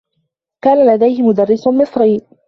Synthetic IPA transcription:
kaːnalad̪ajhɪmʊd̪ɑrːɪsʊmɪsˤɾiː

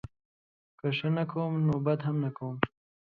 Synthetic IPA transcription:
kəʂənakʰowmnobad̪ɦamnakawəm

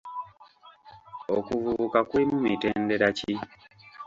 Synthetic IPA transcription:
okuvuukakwiːmumiteːndeɾaci

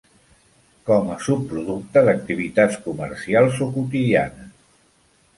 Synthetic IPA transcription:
kɔməsupːɾuðuk̚t̪əðək̚t̪iβit̪at͡skuməɾsialˠzokut̪iðianəs

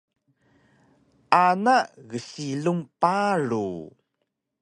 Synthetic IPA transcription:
ʔanaɣəsiɮuŋpaɾṵ

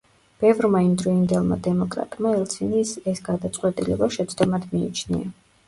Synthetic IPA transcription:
b̥ɛvɾmaimd̪ɾɔind̪ɛlˠma̰d̪ɛmɔkʼɾa̰t̪ʼmaɛlˠsʰinisɛsɡad̪at̪sʼqʼwɛt̪ʼilɛ̰baʃɛt̪sʰd̪ɔmad̪mḭːt͡ʃʰnḭa

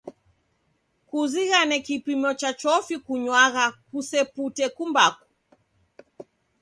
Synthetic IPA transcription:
kuziɣanɛkipimɔt͡ʃat͡ʃɔfikuɲwaɣakusɛputɛkumbaku̥

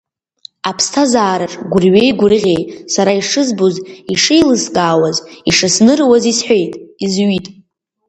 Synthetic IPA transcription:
apʰstʰazaːɾaʈ͡ʂʼɡʷʊrɥejɡʷʊrʁʲejtʼsaɾaiʂɨzboziʂejlɨskʼaːwaziʂasnɨrwazisħʷejtʼizɥitʼ

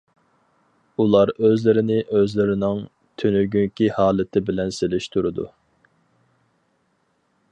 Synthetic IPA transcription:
ulˠɑɾøzlɪɾɪnɪʔøzlɪɾɪnɪŋ | t̪ʰynyɡʲyŋkʲihɑːlˠɪt̪ʰɪbɪlɛnselɪʃt̪ʰuɾud̪ṵ

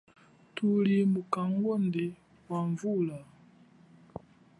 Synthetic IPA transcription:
tulimukaŋɡɔndɛ | waɱvula

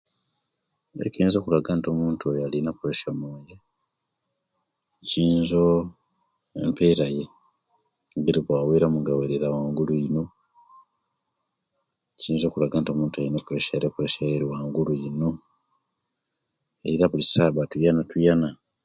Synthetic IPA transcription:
ḛciːnzo̞kulaɡanto̞muːntujalinapuɾeʃamoːje | ciːnzo̞ | e̞̰mpe̞ːɾaje̞ | ɡiɾiβwaːweːɾamuŋɡaweɾeɾawaːŋɡulujino̞ | ciːnzo̞kulaɡanto̞muːntualinapɾeʃajɾepueʃajeɾiwaːŋɡulujino̞ | eiɾaβulisaːβatujanatujana

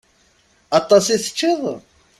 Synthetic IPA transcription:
ɑt̪ˤːɑsiθə̥t͡ʃːiðˤ

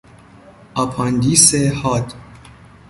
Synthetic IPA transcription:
ɒpʰɑnd̪iːsehɒːd̪

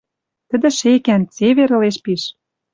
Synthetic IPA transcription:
t̪ə̆d̪ə̆ʃekænt͡seβeɾɤ̆leʃpiʃ

